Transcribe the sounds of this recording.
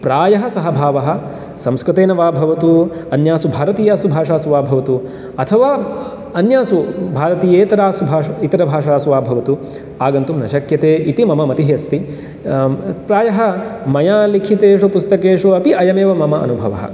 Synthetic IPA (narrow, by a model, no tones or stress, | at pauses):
pɾaːjɐɦɐ̆sɐɦɐbʱaːʋɐɦɐ̆ | sɐ̃mskɾut̪eːnɐʋaːbʱɐʋɐt̪uɐnjaːsubʱaːɾɐt̪iːjaːsubʱaːʂaːsuʋaːbʱɐʋɐt̪u | ɐt̪ʰɐʋaː | ɐnjaːsubʱaːɾɐt̪iːjeːt̪ɐɾaːsubʱaːit̪ɐɾɐbʱaːʂaːsuʋaːbʱɐʋɐt̪u | aːɡɐnt̪umnɐʃɐkjɐt̪eːʔit̪imɐmɐmɐt̪iɦjɐst̪i | pɾaːjɐɦɐ̆mɐjaːlikʰit̪eːʂupust̪ɐkeːʂuɐpiʔɐjɐmeːʋɐmɐmɐʔɐ̰nubʱɐ̰ʋɐ̰ɦɐ̰